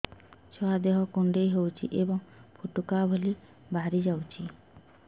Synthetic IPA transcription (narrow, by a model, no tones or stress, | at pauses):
t͡ʃʰɔad̪eɦɔkuɳɖejɦewt͡ʃʰḭʔebɔŋpʰuʈukabʱoli | baɾid͡ʒawt͡ʃʰi